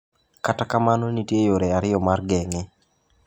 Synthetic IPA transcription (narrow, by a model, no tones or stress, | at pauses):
katakamanonitjejoɾeaɾɪjɔmarɡɛŋɛ